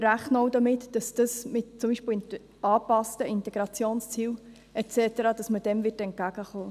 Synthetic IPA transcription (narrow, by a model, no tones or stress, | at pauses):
ɾæχnoʊdɑmɪtd̥ɑsd̥ɑsmɪtt͡sʊmbiːʃpɪl | ɑːpɑstəɪntɛɡ̥ɾɑt͡sjoːnst͡siːw | ɛt͡sɛtəɾɑːd̥ɑsməd̥ɛmvɪtɛnt̚kæɡ̥əχoː